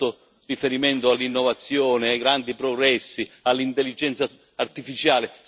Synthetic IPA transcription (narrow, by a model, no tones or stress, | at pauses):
ʊ | rifeɾiment̪oalːinːɔvat̪sːjɔːnɪaɡɾand̪ipɾoɡɾɛsːialːint̪elːid͡ʒɛnt̪sa | art̪ifit͡ʃaːlɪ